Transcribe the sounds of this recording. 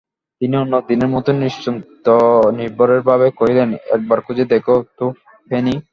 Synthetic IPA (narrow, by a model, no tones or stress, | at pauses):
t̪inionːod̪ineɾmɔt̪oniʃt͡ɕont̪oniɾboɾeɾbʱaβekoɦilenɛ̰k̚baɾkʰud͡ʑʱed̪ekot̪o | pʰeni